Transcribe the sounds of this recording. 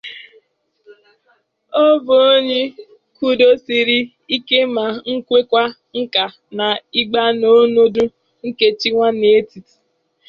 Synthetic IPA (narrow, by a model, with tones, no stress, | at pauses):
o˦bo˨o˦ɲe˦ | ku˦do˦si˦ɾi˦ | i˦ke˦ma˨ŋ̩˦kʷe˦kʷa˦ | ŋ̩˦ka˨ | na˨i˦ɡ͡ba˦no˦no˦du˦ | ŋ̩˦ke˨t͡ʃi˦ŋʷa˦ne˨˦ti˨ti̥˨